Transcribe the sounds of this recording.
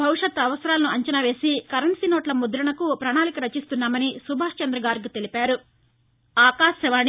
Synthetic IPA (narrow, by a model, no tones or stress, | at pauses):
bʱɐwuʂɐt̪ɐʋɐsɐɾaːlɐnuɐɲt͡ʃɐnaʋe̞ːsikɐɾɐɳsiːnɔːʈlɐmud̪ɾɐɳɐkupɾɐɳaːlikɐɾɐt͡ʃist̪unːaːmɐnisubʱaːʂt͡ʃɐnd̪ɾɐɡaːɾɡit̪e̞lipaːɾu | aːkaːʃɐʋaːɳ